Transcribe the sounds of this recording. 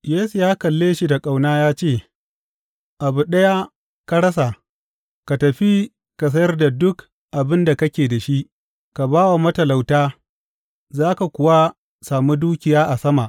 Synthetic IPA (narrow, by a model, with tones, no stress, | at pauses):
jeː˦su˨jaː˦kɐ˨lːeː˦ʃi˦da˨kʼa˨wnaː˦jaː˦t͡ʃeː˦˨ | ʔa˨bu˨ɗɐ˦ja˦ | ka˦ɽɐ˦sa˨ | ka˨tɐ˨ɸi˦ | ka˨s̬ɐ˦jɐ˦rda˨dʊ˦k | ʔa˨bɪ˦nda˨kɐ˦kʲeː˨da˨ʃi˦ʔ | ka˨baː˦wa˨mɐ˦tɐ˨la˨wtaː˦ | zaː˦ka˨kʷʊ˨wa˦ | saː˨mu˦duː˦kʲɪ˨jaː˦ʔa˨sɐ˦ma˨ʔ